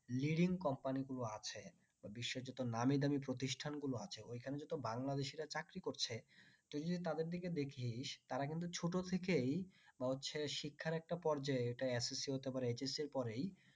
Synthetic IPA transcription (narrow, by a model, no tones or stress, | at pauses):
liɖiŋkɔmpaniɡuloat͡ɕʰe | babiʃːed͡ʑɔt̪onamid̪amipɾot̪̬iʃʈʰanɡuloat͡ɕʰeojkʰaned͡ʑɔt̪obaŋlad̪eʃiɾat͡ɕakɾikoɾt͡ɕʰet̪od͡ʑod̪it̪ad̪eɾd̪iked̪ekʰiʃt̪aɾakint̪̬ut͡ɕʰoʈot̪ʰek̬ejbaɦotːɕʰeʃikʰːaɾɛk̚ʈapɔɾd͡ʑaeeʈaesesiɦot̪epaɾeed͡ʑensiɾpɔɾej